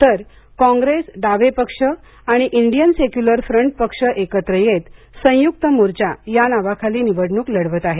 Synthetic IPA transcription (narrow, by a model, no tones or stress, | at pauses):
t̪əɾ | kɔ̃ŋɡɾesɖaʋepəkʂə | aɽ̃iʔiɳɖijənsekjuləɾfɾəɳʈ̚pəkʂəʔekət̪ɾəjet̪ | sə̃juk̚t̪əmuɾt͡ɕajanaʋakʰaliːniʋəɽɳuːkləɽʋət̪aɦe